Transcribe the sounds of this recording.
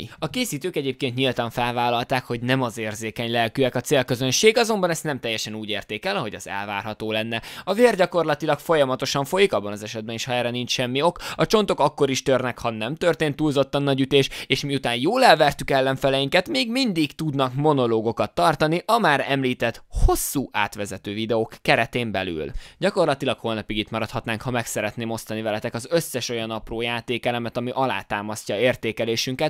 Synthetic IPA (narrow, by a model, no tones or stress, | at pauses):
ɒkeːsiːt̪øːkɛɟeːp̚keːnt̪ɲilt̪ɒɱfɛlvaːlɒlt̪aːkho̞ɟnɛmɒzeːrzeːkɛɲlɛlkyɛkɒt̪seːlkøzønʃeːɡɒzo̞mbɒnɛstnɛmt̪ɛjːɛʃɛnuːɟeːrt̪eːkɛlɒɦo̞ɟɒ̰zɛ̰lva̰ːrɦɒt̪oːlɛnːɛɒveːrɟɒko̞rlɒt̪ilɒkfo̞jɒmɒt̪o̞ʃɒɱfo̞jikɒbːɒnɒzɛʃɛd̪bɛniːʃhɒɛːrɾɛnint͡ʃʃɛmːio̞kɒt͡ʃo̞nt̪o̞kɒkːo̞ɾiʃt̪ørnɛkhɒnɛmt̪ørt̪eːnt̪ːuːlzo̞t̪ːɒnːɒɟyt̪eːʃeːʃmiut̪aːnjoːlɛlvɛrt̪ykɛlːɛɱfɛlɛjiŋkɛt̪meːɡmind̪ikt̪ud̪nɒkmo̞no̞loːɡo̞kɒt̪ːɒrt̪ɒniʔɒmaːɾɛmliːt̪ɛt̪ho̞sːuːʔa̰ːt̪ʋɛzɛt̪øːvid̪ɛokːɛɾɛt̪eːmbɛ̰ly̰lɟɒko̞rlɒt̪ilɒkho̞lnɒpiɡit̪mɒɾɒt̪hɒt̪naːŋkhɒmɛksɛɾɛt̪neːmo̞st̪ɒnːivɛlɛt̪ɛkɒzø̞sːɛʃo̞jɒnɒproːjaːt̪eːkɛlɛmɛt̪ɒmiʔɒla̰ːt̪aːmɒscɒeːrt̪eːkɛleːʃyŋkɛt̪